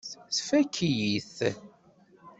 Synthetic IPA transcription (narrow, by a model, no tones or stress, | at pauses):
sfækʰːijiθ